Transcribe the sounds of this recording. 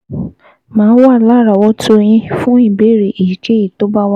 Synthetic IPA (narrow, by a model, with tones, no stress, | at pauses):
mãː˨˦wla˦˨ɾa˨wɔ˧˦tʰo˦˧j̃ĩ˧fũ˦i˦˨be˨˦˨ɾe˨ʔi˨d͡ʒe˦i˦˨to˨˦ba˦wa˦